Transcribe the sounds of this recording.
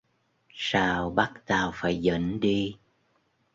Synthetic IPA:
saː˧wɓa˦˥k̚t̪aː˨˩wfaː˧˩jzə̰˧˨˥nɗi˧

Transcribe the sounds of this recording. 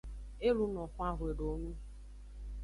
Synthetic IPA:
e˦lu˦nɔ̃˨kʷa˦˨ɦwe˨ɖo˨˦nũ˦

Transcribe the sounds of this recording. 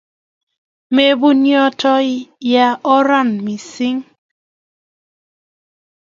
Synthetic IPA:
me˨bu˦njɔ˦tʰɔ˦i˦ja˦ʔɔ˦ɾa˦˨nmi˨si˦ŋ

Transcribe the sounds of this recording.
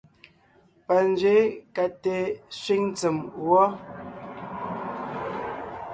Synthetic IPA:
pa˨n˦d͡ʒɥe˨˦ka˨te˨sɥi˦ŋ˦t͡sə˨mwɔ˦

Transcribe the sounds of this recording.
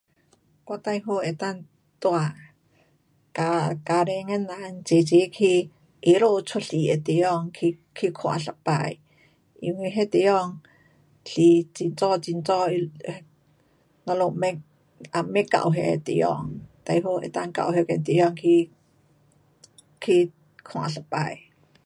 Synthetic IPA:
kwa˧˨t̪a˧jɦo˧˨e˨˩t̪a˥˧˨ŋ | t̪wa˧˨ | ka˧ka˧ɾe˧ŋɛ˧˥nla˨˦nt͡ɕe˨˩t͡ɕe˨˦kʰi˧ | ʔe˧˦lo˧˨t͡sʰu˦˥t̚ɬi˨e˨˩t̪e˨˩jɔ˥˧ŋkʰi˧kʰi˧kʰwa̰˨˩ɬa˨˩pa˧˨j | ʔḭ˧nwi˧˨ɦe˧t̪e˨˦jɔ˧ŋ | ɬi˨˦t͡ɕi˧˨˩nt͡sɔ˥˧t͡si˧˨nt͡sɔ˥˧i˧ | ŋɔ˧lo˧mɛ˦k | ʔa˧me˦˥ka̰˧˨wɦe˧t̪ḛ˨˦jɔ̰˧˨ŋt̪a˧jɦo˧ʔḛ˨t̪a˧ŋka̰˧˨wɦe˧kɛ˧˨nt̪e˨˦jɔ˧˨ŋkʰi˧ | kʰi˧ | kʰw̃ã̰ː˨ɬa˨˩pa̰˧˨j

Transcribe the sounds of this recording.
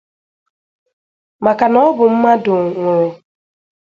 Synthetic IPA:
ma˨ka˨nɔ˦bʊ˨m̩˦ma˦dʊ˨ŋʷe˨ŋe˨

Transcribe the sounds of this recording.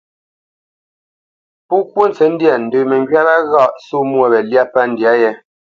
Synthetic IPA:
pu˦kwu˦n˨t͡sɛ˨˦n̩˦dja˨n̩˨də˨mɛ˨ŋ˨ɡɥa˦la˦ɣa˦˨ʔsu˦mwɔ˨bɛ˨lja˦pa˦n̩˨dja˨˦jɛ˦

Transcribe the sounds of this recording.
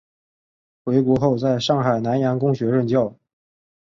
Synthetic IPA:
xwe˧˥ɪkwɔ˧˥xo˥˧ʊt͡sa˥˧ɪʂɑ˥˩ŋxa˨˩ɪna˧˥nja˧˥nkʊ˥ŋɕɥɛ˧˥ɻə˥˧nt͡ɕjɑ˥˩ʊ

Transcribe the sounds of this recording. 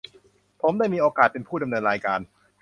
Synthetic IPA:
pʰo˩˦mda˥˩jmiː˧ʔoː˧kaː˨˩t̪̚pe˧npʰuː˥˩da˧mnɤː˧nɾaː˧jkaː˧n

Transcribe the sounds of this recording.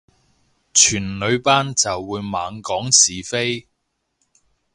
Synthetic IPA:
t͡ʃʰyː˨˩nlɵ˨˧ɥpaː˥nt͡sɐ˨wːuː˨˧jmaː˨˧ŋkɔː˨˥ŋsiː˨fe˥j

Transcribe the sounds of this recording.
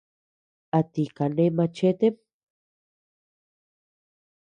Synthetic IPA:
a˨t̪ika˨ne˦ma˧t͡ʃe˦t̪e˦m

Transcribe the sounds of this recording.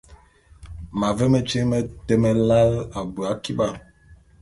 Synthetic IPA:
ma˨ve˦mə˦t͡ʃe˦ŋ˦mə˦tɛ˦mɛ˦la˦la˨bə˨a˨˦ki˦ɓa˦˨

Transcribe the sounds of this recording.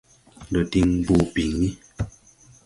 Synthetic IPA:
lɔ˨ti˦ŋbu˦˨pi˨ŋi˦

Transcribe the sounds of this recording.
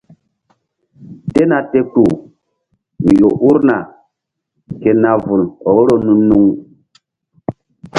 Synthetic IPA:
te˦na˨te˦ku˨ | mi˨jo˨ʔu˦ɾna˨ | ke˨na˨vu˨lo˨ɣɾo˦nu˦nːu˦ŋ

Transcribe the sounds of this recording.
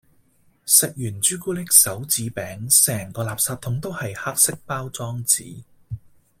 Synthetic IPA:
sɪ˨k̚jyː˨˩nt͡ʃyː˥kuː˥lɪ˥k̚sɐ˨˥wt͡siː˨˥pɛː˨˥ŋsɛː˨˩ŋkɔː˧laː˨p̚saː˧t̪̚ʰʊ˨˥ŋt̪o˥whɐ˨jha˥k̚sɪ˥k̚paː˥wt͡sɔː˥ŋt͡sḭː˨˥

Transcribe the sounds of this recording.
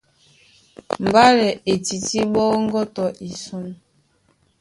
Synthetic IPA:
m̩˨ba˦lɛ˨e˨ti˨ti˦ɓɔ˦ŋ̩˦ɡɔ˦tɔ˨ʔi˨su˦n

